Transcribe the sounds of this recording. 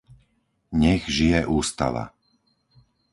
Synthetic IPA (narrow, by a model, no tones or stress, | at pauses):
ɲɛɣʒijɛʔuːst̪a̰ʋa̰